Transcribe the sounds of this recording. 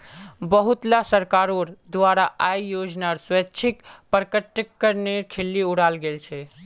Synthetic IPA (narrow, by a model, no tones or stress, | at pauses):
bəɦut̪lasəɾkaɾoɾd̪waɾaʔajjod͡ʒnaɾswətːt͡ʃʰikpəɾkəʈːəkːəɾneɾkʰelːiuɽalɡelt͡ʃʰɛ